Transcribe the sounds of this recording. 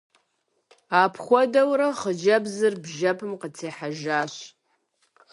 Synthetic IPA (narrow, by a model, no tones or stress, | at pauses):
aːpʰχʷɔdɐwɾɐχəd͡ʒɐbzɨrbʒɐpʰɨmqət͡sʰeːħaʒaːɕ